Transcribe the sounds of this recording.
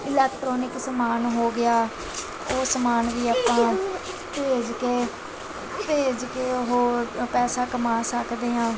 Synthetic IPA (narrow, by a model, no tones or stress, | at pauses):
ɪlɛːkʈɾoːnɪksəmaːnɦoːɡɪjaː | oːsəmaːnʋiːaːpãː | peːd͡ʒkeː | peːd͡ʒkeːɦoːɾpɛːsaːkəmaːsəkd̪eːãː